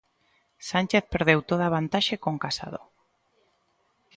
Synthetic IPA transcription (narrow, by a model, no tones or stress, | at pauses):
sanʲt͡ʃeθpeɾð̞ewt̪oð̞aβ̞ant̪aʃekoŋkasa̰ð̞o̰